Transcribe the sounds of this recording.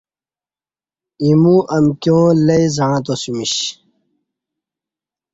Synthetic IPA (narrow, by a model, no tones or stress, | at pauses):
imũʔɐmkjõːlɐizaɻãt̪̬osumiɕ